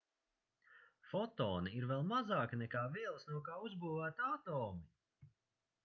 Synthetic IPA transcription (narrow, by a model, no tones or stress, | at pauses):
fɔt̪ɔːniiɾvɛlˠmazaːkɨnɛkaːviɛlˠsnuɔkaːuzbuːvæːt̪at̪ɔːmi